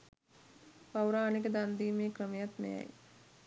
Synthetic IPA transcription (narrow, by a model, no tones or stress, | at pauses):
pawɾaːnikəd̪and̪iːmeːkɾəmejat̪mḛja̰j